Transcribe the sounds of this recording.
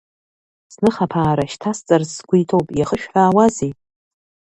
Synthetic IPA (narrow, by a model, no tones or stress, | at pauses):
snɨχapʰaːɾaʃtʰast͡sʼarzsɡʷʊjtʰo̞wpʼjaχəʃᶣħaːwazi